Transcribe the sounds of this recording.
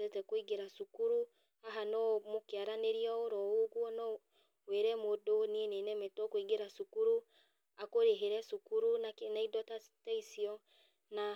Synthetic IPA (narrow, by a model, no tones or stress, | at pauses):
ɛtɛkwiɡeɾasukuɾu | aɦanɔmokjaɾaneɾiɔoɾɔoɣuɔnɔ | weɾɛmodoninenɛmɛtɔkwiɡeɾasukuɾu | akoɾeɦeɾɛsukuɾunanaidɔta | taisiɔ | na